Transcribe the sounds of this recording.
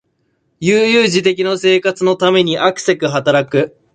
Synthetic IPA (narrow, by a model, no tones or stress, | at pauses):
jɨːjɨːʑit̪e̞kʲinose̞ːkat͡sɨno̞t̪ame̞ɲ̟iʔakɯ̟̥se̞kɯ̟ɦat̪aɾakɯ̟